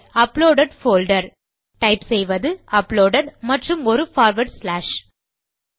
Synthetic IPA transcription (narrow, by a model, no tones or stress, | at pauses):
ɐploːɖɐɖfoːlɖɐɾ | ʈɐɪpsɛjʋɐðɯʔɐploːɽɐɖmɐʈrɯmɔɾɯfaːɾʋɐɖslaːʂ